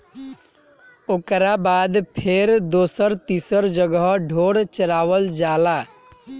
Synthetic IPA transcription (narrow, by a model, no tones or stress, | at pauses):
oːkɾabaːd̪pʰeɾd̪oːsəɾt̪isəɾd͡ʒəɡəɦɖʱoːɽt͡ʃəɾaːʋəld͡ʒaːla